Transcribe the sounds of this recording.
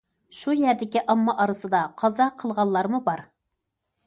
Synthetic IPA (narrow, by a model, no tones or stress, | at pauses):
ʃujæɾd̪ɪkʲiʔɑmːɑʔɑɾɨsɨd̪ɑqʰɑzɑqʰəlˠʁɑlˠːɑɾmubɑɾ